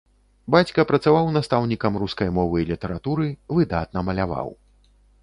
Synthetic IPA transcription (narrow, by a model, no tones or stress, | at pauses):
bat͡sʲkɐpɾɐt̪savawnast̪awnʲikɐmruskɐjmɔvɨlʲit̪ɛɾat̪uɾɨvɨd̪at̪nɐmɐlʲava̰w